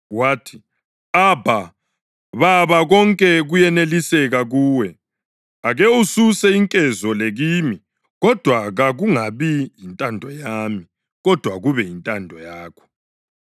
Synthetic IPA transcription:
waːtʰi̥ | abʱa | βaβaɣɔŋkʼɛɣujɛnelisɛɣaɣuːwɛ | aɣeususɛiŋkʼɛzɔleɣiːmi | ɣɔd̥ʱwaɣaɣuŋaβijintʼandʱɔjami | ɣɔd̥ʱwaɣuβɛjintʼandʱɔjaːkʰɔ̥

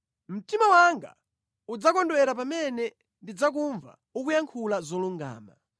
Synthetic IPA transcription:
m̩timawaŋɡa̰ | ud͡zakɔndwɛɾapamɛnɛ | ndid͡zak̬uɱva̰ | ukujaŋkʰulazɔluŋɡa̰ːma̰

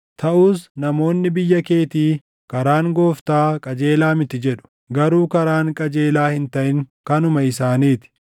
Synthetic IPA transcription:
t̪ʰɐʔuːs̬nɐmo̞ːnːɪbɪjːɐke̞ːt̪iː | kɐɾaːŋɡo̞ːft̪aːkʼɐd͡ʒeːlaːmɪt̪ɪd͡ʒɛᶑʊ̥ | ɡɐɾuːkɐɾaːŋkʼɐd͡ʒe̞ːlaːhɪnt̪ɐʔɪŋkɐnʊmɐɪsaːniːt̪ɪ̥

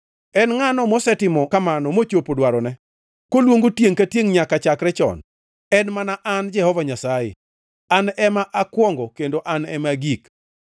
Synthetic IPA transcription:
ɛnŋanɔmɔsɛtɪmɔkamanɔmot͡ʃopodwaɾɔnɛ | kolwoŋɡotjeŋkatjeŋɲakat͡ʃakɾɛt͡ʃɔ̰n | ɛnmanaʔand͡ʒɛhɔvaɲasajɪ̰ | anɛmaʔakwɔŋɡɔkendoʔanɛmaɡik

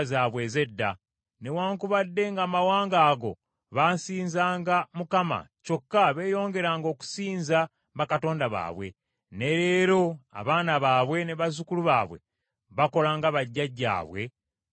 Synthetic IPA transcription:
zaːβwe̞ːze̞dːa | ne̞waːŋkuβadːe̞ŋɡaːmawaːŋɡaːɡo̞̰ | βaːsiːnzaːŋɡamukama̰co̞kːaβe̞ːjo̞ːŋɡe̞ɾaːŋɡo̞ːku̥siːnza | βakato̞ːndaβa̰ːβwe̞̰ | ne̞ɾe̞ːɾo̞a̰βaːnaβaːβwe̞ne̞βazukuluβaːβwe̞̰ | βako̞laːŋɡaβaɟːaɟːa̰ːβwe̞̰

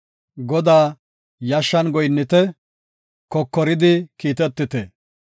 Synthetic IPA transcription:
ɡɔd̪aː | jɐʃːɐnɡɔjnːɪt̪ɛ | kɔkːɔɾɪd̪ɪkiːt̪ɛt̪ːɪt̪ɛ

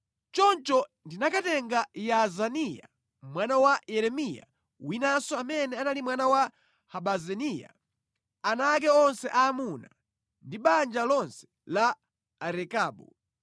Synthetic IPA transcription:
t͡ʃɔnt͡ʃɔndinakatɛŋɡajazanija̰ | mwanawajɛɾɛmija̰ | winasɔamɛnɛanalimwanawa | haɓazɛnija̰ | anak̬ɛɔnsɛʔaːmuna | ndiɓand͡ʒalɔnsɛ̥ | laː | ɾɛkaːɓu

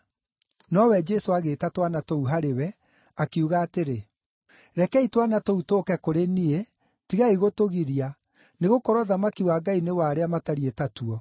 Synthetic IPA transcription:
nɔwɛd͡ʒɛsoaɣetatwanatouɦaɾewɛ | akiuɣaːteɾe | ɾɛkɛitwanatoutoːkɛkoɾenie | tiɣaiɣotoɣiɾia | neɣokɔɾɔðamakiwaːɡainewaɾeamataɾietatuɔ

